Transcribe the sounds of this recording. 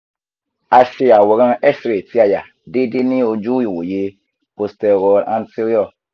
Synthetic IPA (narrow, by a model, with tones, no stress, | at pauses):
a˨si˧a˨wɔ˨ɣã˦ɛ˦sɾe˨ti˦a˦ja˨ | de˦di˦ni˦o˧d͡ʒu˦ji˨wo̰˨je˧ | po˨stɛ˨ɡɔ˨ã˦nsi˦ɾɔ˦˨